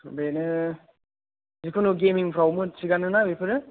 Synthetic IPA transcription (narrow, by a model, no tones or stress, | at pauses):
benɯ | zikʰonuɡemiŋpʰɾawmɯsʰiɡanɯnabepʰɯɾɯ